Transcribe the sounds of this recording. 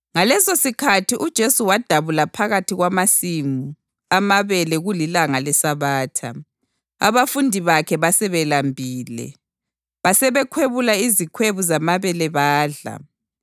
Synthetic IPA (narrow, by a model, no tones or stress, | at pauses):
ŋalɛsosikʰatʰiʔud̥ʒ̥ʱesuwad̥ʱaβulapʰaɣatʰiɣwamasimu | amaβɛlɛɣulilaŋalɛsaβaːtʰa̰ | a̰βafundʱiβakʰɛβasɛβɛlambʱiːlɛ̰ | βasɛβɛkʰweβulaizikʰweβuzamaβɛlɛβaːɮa̰